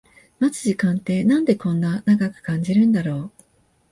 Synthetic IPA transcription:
mat͡sɨ̥ʑikãnt̪e̞ːnãnd̪e̞kõ̞nːanaɡakɯ̟̥kãɲ̟d͡ʑiɾɯ̟̃nd̪aɾo̞ː

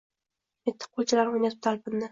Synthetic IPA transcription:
et̪ʰːɪ̥qʰːolˠt͡ʃʰɪlaɾʊmjat̪ʰɪp̚t̪ʰalˠpʰɪnd̪ɪ

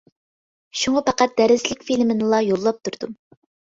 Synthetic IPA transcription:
ʃuŋɑpɑqæt̪̚d̪̥æɾɪzlɪkʲfilmɪnɨlˠɑjolˠːɑp̚t̪ʰuɾd̪̥u

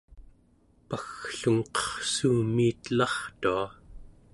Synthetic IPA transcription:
paxɬuŋqʌ̥χsuːmiːt̪lɑχt̪ua

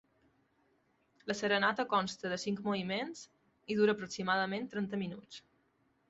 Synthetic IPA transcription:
ləsəɾənat̪əkɔnst̪əðəsiŋkmoβimenz̥ | iðuɾəːpɾuksimaðəment̪ɾɛnt̪əminut͡s

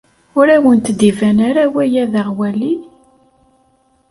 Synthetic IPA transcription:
ʊɾæwənt̪d̪ivænaɾawæjæðaʁwæli

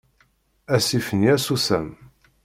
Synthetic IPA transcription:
æsifənjæsusæm

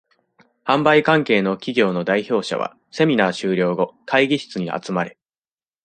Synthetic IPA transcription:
hãmbaikãŋke̞ːno̞kʲiɡʲo̞ːno̞d̪aiço̞ːɕa̰βa̰ | se̞mʲinaːɕɨːɾʲo̞ːɡo̞kʰaiɡʲiɕi̥t͡sɨɲ̟iʔa̰t͡sɨmaɾe̞

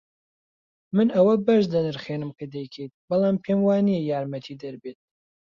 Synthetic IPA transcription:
mɨnɐwɐbɐʃd̪ɐnɨɾχeːnɨmkʰɐd̪ɛjkʰejt̪̚bɑlˠaːmpʰeːmwaːnijɛjaːɾmɐt̪ʰiːd̪ɐɾbeːt̪̚

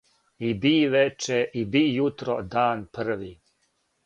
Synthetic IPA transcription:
ibiːʋet͡ʃeʔibijut̪ɾod̪aːnpr̩ʋi

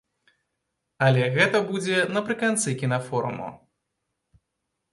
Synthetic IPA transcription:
ɐlʲɛɣɛt̪ɐbud͡zʲɛnɐpɾɨkant̪sɨkʲinafɔɾṵmṵ

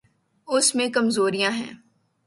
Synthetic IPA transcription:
ʊsmẽkɐmzoːɾijãɦɛ̰̃ː

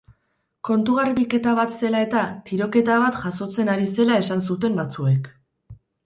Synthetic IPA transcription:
ko̞nt̪uɣarβike̞t̪aβ̞at̪se̞lae̞t̪at̪iɾo̞ke̞t̪aβ̞at̪ʝaso̞t͡se̞naɾise̞lae̞sans̬ut̪e̞mbat͡sue̞k

